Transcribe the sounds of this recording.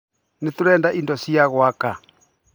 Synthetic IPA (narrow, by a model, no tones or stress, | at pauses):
netoɾɛːndaʔindɔsiaɣwaka